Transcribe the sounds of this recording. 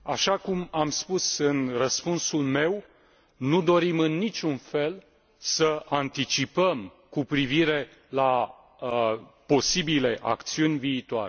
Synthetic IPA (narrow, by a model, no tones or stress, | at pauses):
aʃakumamspusɨnrəspunsulme̞w | nud̪o̞ɾimɨnːit͡ʃʲunfe̞l | səant̪it͡ʃipəm | kupɾiviɾe̞ | la | po̞sibile̞ʔa̰kt̪siunʲviːt̪oa̰ɾe